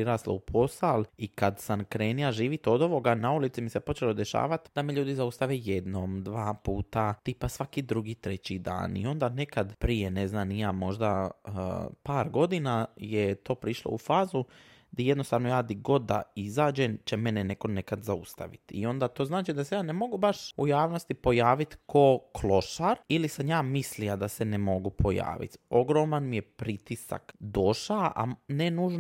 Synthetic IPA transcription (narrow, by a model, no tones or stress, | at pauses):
pɾiɾaːsla̰upʰo̞salikad̪sankɾeːnijaʒiːʋit̪o̞d̪o̞ʋo̞ɡanaulit̪simisepo̞t͡ʃelo̞d̪e̞ʃa̰ːʋat̪d̪ameʎuːd̪izaust̪aʋeːjed̪noːmd̪ʋaːpuːt̪at̪ipasʋakid̪ɾuɡiːt̪ɾe̞t͡ɕid̪a̰ːnḭo̞nd̪aːne̞kad̪pɾijene̞znaːnijaːmo̞ʒd̪a | paːɾɡo̞d̪inajet̪o̞ːpɾiʃlˠo̰ufaːzu | d̪ije̞d̪nost̪aːʋno̞jaːd̪iɡo̞d̪ːa̰izaːd͡ʒemt͡ʃeme̞nene̞ko̞ne̞kad̪zaust̪a̰ʋḭt̪ḭo̞nd̪at̪o̞ːznaːt͡ʃid̪asejaːnemo̞ɡubaʃujaːʋno̞st̪ipo̞jaːʋit̪ko̞kʰlo̞ʃaɾilisanjaːmislijad̪ase̞nemo̞ɡupʰo̞ja̰ːʋḭt̪o̞ɡɾo̞manmije̞pɾit̪isa̰kd̪o̞ʃaʔa̰nenuːʒn